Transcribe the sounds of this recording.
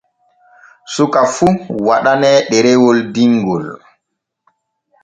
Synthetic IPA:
sukafuwaɗanɛɗɛɾɛwɔldiŋɡɔl

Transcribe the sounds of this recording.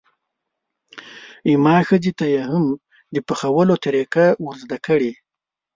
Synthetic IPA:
imɑxəzit̪ajeham | d̪əpəxawəlot̪aɾekawuɾzd̪akəɽi

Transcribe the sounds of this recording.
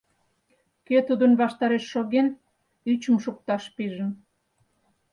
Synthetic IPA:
ket̪ud̪ənβɑʃt̪ɑɾeʃːoɣen | yt͡ɕəmʃuk̚t̪ɑʃpiʒəm

